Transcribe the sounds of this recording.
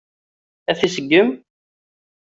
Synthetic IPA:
æθisəɡːəm

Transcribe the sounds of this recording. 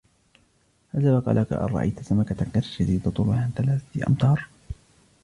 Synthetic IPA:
hazawaqɑ̰ːlʔaka̰ʔɑ̰rˤɑ̰ʔa̰jt̪asamakat̪aqːat̪ʃaziːd̪at̪ˤʊlʊhant̪alaːfḭʔɑ̰mt̪ˤɑːɾˤ

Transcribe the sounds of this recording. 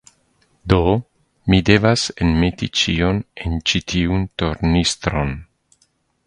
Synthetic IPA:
d̪o | mid̪evasenmet̪it͡ʃionent͡ʃit̪iunt̪oɾnist̪ɾon

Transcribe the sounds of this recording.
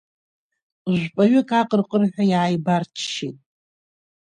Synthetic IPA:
ʒʷpʼaɥʏkʼaqʼərqʼərħʷᶣajaːjbart͡ʃʰʃḭtʼ

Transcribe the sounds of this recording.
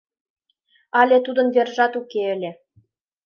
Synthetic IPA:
ɑlʲĕt̪ud̪ɤ̆nvʲerʒɑt̪ukʲeɘ̆lʲĕ

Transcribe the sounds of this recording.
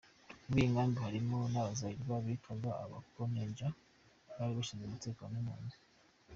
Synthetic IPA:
βiiŋɡaːmbihaɾimo̞naβazaiɾβaβikʰaza̰ːβa̰kkoneːɲd͡ʒa | βaɾiβaʃizemuteːkanumuːne

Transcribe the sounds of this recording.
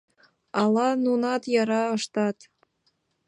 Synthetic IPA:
ɑlˠɑnunɑt̪jɑɾɑɤ̆ʃt̪ɑt̪

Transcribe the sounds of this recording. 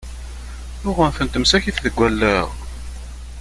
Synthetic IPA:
jʊʁənθənt̪əmsæçiθðəɡʷːælːæʁ

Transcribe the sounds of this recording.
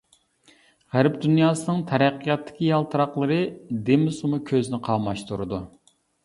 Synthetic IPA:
ʁæɾpd̪ynjɑːsɨnɨŋt̪ʰɛɾæqːijɑt̪ʰːɪ̥kʲijɑlˠt̪ʰɨɾɑqlˠɨɾɨd̪emsumʊkʲʰøznɪqʰɑmɑʃt̪ʰuɾɨd̪u

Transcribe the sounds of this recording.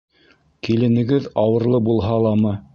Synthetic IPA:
kilɘ̆nɘ̆ɡɘðɑwɤ̆ɾlˠɤbulˠɦɑlˠɑmɤ

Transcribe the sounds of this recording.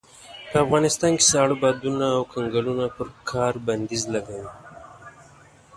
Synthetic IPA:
pəafɣɑnɪst̪ɑnke̥sɑɽubɑd̪unaːwkʰaŋɡalunapəɾkʰɑɾband̪izlaɡawi

